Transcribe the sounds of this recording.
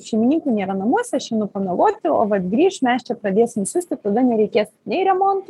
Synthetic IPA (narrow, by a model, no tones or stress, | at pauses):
ʃʲɛɪmʲɪnʲiːŋkunʲeːɾɐnɐmuɔsʲɛɐʃjɛnʊpɐnɐɡoːt̪ʲɪo̰ːʋɐt̪ɡɾʲiːʃmʲɛst͡ʃʲɛpɾɐd̪ʲeːsʲɪmsʲʊsʲt̪ʲɪt̪ɐd̪ɐnʲɛɾʲɛɪkʲeːsʲ | nʲɛɪɾʲɛmont̪